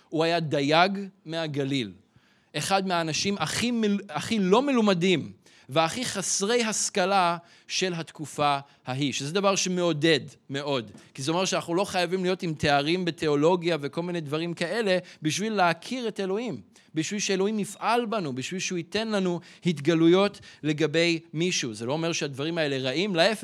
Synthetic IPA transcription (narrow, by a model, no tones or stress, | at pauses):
uajad̪ajaɡmeaɡalil | ʔeχadmeaːnaʃimaχiaχilo̞melumadim | veaχiχasʁe̞jɦaskala | ʃe̞lɦat̪kufa | haɦiʃezed̪avaʁʃemeo̞de̞dme̞ʔo̞dkizeomeʁʃeanaχnulo̞χajavimlijo̞timte̞aʁimbetʰe̞o̞lo̞ɡjaveko̞lminejdvaʁimkae̞le̞biʃvilːeakʰiʁe̞te̞lo̞him | biʃvilʃeelo̞himifʔalbanubiʃvilʃehuite̞nlanuhitɡalujo̞tle̞ɡabe̞jmiʃuzelo̞ome̞ʁʃeadvaʁimae̞le̞ʁaʔimlaef